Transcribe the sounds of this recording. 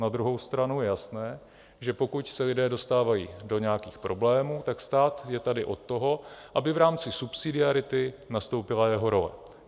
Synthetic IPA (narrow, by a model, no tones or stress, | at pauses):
nad̪ɾuɦo̞wst̪ɾanujɛjasnɛː | ʒɛpo̞kucsɛlɪdɛːdo̞st̪aːvajiːdo̞ɲɛjakiːxpɾo̞blɛːmuːt̪akst̪aːt̪jɛt̪adɪʔo̞t̪ːo̞ɦo̞ʔabɪvɾaːmt͡sɪsupsɪdɪaɾɪt̪ɪnast̪o̞wpɪlajɛɦo̞ɾo̞lɛ̰